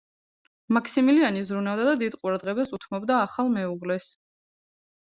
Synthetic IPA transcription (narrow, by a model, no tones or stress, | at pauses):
makʰsimilianizɾunavd̪ad̪ad̪id̪qʼuɾad̪ʁɛbasut̪ʰmɔbd̪aːχalˠmɛuʁlɛs